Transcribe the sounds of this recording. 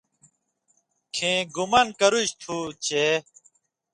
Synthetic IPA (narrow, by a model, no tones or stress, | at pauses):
kʰẽːɡumɐnkɐɾuɕt̪ʰuːt͡ɕe